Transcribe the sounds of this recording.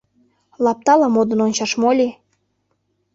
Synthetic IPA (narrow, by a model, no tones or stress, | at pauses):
lɑp̚t̪ɑlɑmod̪ə̆nonʲt͡ɕɑʃmolʲi